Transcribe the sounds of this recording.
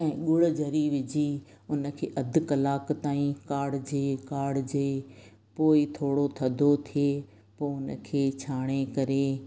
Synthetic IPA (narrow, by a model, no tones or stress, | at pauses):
ɛ̃ːɠʊɭ̆d͡ʑʱɐɾiʋɪd͡ʑi | ʊnə̆kʰeːʔɐd̪ʱkɐlaːkt̪aːĩkaːɽd͡ʑeːkaːɖd͡ʑeː | poːit̪ʰoːɽot̪ʰɐd̪ʱot̪ʰie | poːʊnə̆kʰeːt͡ɕʰaːɽ̃ekɐɾe